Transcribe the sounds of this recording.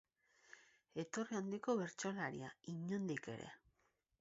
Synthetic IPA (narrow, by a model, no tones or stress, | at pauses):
e̞t̪o̞riand̪iko̞βe̞ɾt͡ʃo̞laɾḭaiɲond̪ike̞̰ɾe̞̰